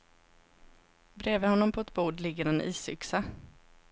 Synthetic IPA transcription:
bɾeːvəhɔnːɔmpʰɔɛt̪buːɖlɪɡːəɾɛnʔiːsʏksa

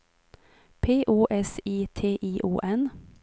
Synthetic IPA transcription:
pʰeːʔuːʔɛsiːt̪ʰeːʔiːʔuːʔɛn

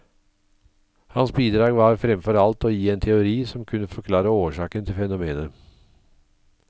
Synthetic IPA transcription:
hɑnsbiːd̪ɾɑːɡʋɑːɾfɾɛmfɔɾɑlt̪oːjiːent̪ʰɛʊɾiːsɔmkʰʉnːəfɔɾkʰlɑːɾəoːʂɑːkənt̪ʰɪlfɛnʊmeːnə

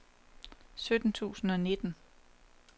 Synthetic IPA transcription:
sød̥n̩t͡sʰṵːsn̩ɒ̽ne̝d̥n̩

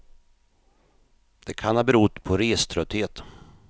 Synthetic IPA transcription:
d̪̥ɛkʰanhɑːbɛɾud̪pʰɔɾeːst̪ʰɾœt̪ːheːt̪

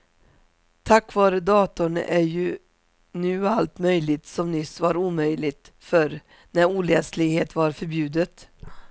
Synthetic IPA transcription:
t̪ʰakːvɑːɾəd̪ɑːt̪ʊɳæɾjɵ | nʉ̟ːalt̪mœjlɪt̪sɔmnʏsvaɾuːmœjlɪt̪ | fœɾ | næɾuːlɛslɪɡheːt̪vaɾfœɾbjʉ̟ːd̪ət̪

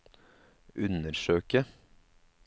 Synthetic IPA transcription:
ʔʉnəɾʃøːkə

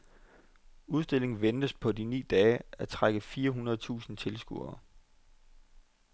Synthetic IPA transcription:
uð̞ˠsd̥e̝le̝ŋn̩ʋend̥əspʰɒ̽dinḭːd̥ɛːæt͡sʰʁaɡ̥əfiːɐɦunɐð̩ˠt͡sʰṵːsn̩t͡sʰe̝lsɡ̥ṵɐ̰

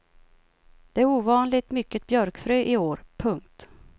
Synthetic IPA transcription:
d̪̥ɛæɾuːvɑːnlɪt̪mʏkːət̪̚bjœɾkfɾyːʔɪoːɾpʰɵŋk̚t̪

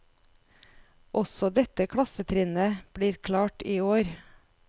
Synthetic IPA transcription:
ʔɔsɔd̪ɛt̪əkʰɽɑsət̪ʰɾɪnəb̥ɽiːɾkʰlɑːʈiːoːɾ

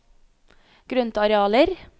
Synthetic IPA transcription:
ɡ̥ɾʉnt̪ɑɾɛɑːləɾ

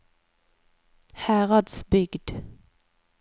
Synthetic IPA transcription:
hæːʁɑd̪sbʏɡd̪̥

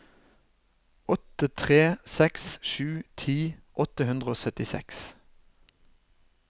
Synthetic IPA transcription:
ɔt̪ət̪ʰʁeːsɛksʃʉːt̪ʰiːʔɔt̪əhʉnd̪ʁəoːsœt̪ɪsɛ̰ks

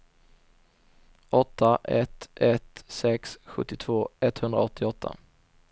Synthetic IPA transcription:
ɔt̪ʰːaʔɛt̪ɛt̪sɛksɧɵ̰t̪ːɪt̪ʰv̥oːɛt̪ːhɵnd̪ɾa̰ɔt̪ʰːɪɔt̪ʰːa̰

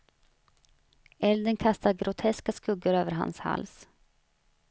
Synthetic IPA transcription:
ʔɛld̪ənkʰast̪aɡɾʔʊt̪ʰɛskaskɵɡːəɾøːvəɾɦa̰nsha̰ls

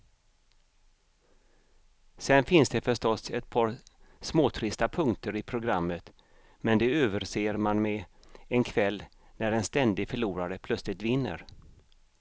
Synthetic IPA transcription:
sɛnfɪnsd̪ɛfœʂʈɔsɛt̪̚pʰɑːɾsmoːt̪ʰɾɪst̪apʰɵŋt̪əɾɪpʰɾʊɡɾamːət̪ | mɛnd̪ɛøːvəɾseːɾmanmɛɛnkʰvɛlː | næɾɛnst̪ɛnd̪ɪɡfœɭuːɾaɾəpʰlɵt̪slɪt̪vɪnːə̰ɾ

